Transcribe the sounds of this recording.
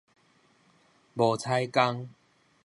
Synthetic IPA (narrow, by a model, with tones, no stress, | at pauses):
bɔ˨˩t͡sʰa˧jka˦ŋ